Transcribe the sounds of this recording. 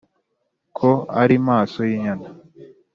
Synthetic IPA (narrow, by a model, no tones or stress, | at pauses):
kʰoa̰ɾimaːso̞jiɲana